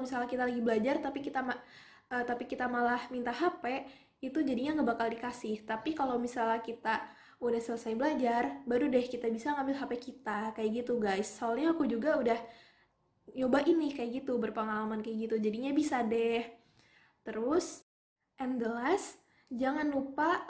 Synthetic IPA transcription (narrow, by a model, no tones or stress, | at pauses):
misalakit̪alaɡibəlad͡ʒart̪apikit̪am | ət̪apikit̪amalahmint̪aɦape | it̪ud͡ʒadiɲaŋɡabakaldikasɪht̪apikalowmisalakit̪a | udahsələsajbəlad͡ʒarbaɾudɛhkit̪abisaŋambɪlɦapekit̪akajaʔɡit̪uɡajsːaalɲaːkud͡ʒuɡaudah | ɲobaʔinikajaʔɡit̪ubərpəŋalamankajaɡit̪ud͡ʒadiɲabisadɛh | t̪əɾʊs | ʔɛnd̪əlas | d͡ʒaŋanlupa